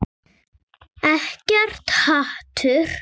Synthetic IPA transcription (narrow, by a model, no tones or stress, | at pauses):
ɛhcɛr̥t̪haht̪ʰʏɾ̥